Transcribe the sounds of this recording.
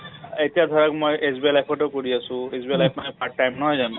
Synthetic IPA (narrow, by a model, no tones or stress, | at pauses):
etijad̪ʱɔɹakmojezbialajpʰɔtɔkoɹiasʊ̃ezbielajpʰmanɛpʰaʈːajmnɔɦɔjzan